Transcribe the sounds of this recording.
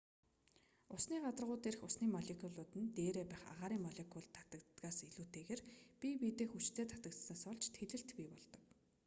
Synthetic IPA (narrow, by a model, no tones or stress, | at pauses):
ʊsniːɢat̪ə̆rʁʊːt̪er̆xʊsniːmɔɮekʰʲuɮʊːt̪ɘ̆nt̪eːɾeːpæːχa̰ʁaːɾiːŋmɔɮekʰʲʊɮt̪ʰːḁt̪ə̆kt̪ɡaːsiɮuːt̪eːɣeːrpʲipit̪eːxut͡ɕt̪ʰeːt̪ʰḁt̪ə̆k̚t̪saːsɔɮt͡ɕt̪ʰeɮɘ̆ɬt̪pʲiːpɔɮt̪ɞ̆k